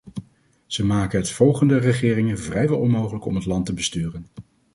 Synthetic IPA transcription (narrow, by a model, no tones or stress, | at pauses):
z̥əmaːkənɦətfɔlˠχəndərəχɪːrɪŋənvrɛjʋɛlˠɔnmowχələkɔ̰mɦətlɑntəbəstyːrən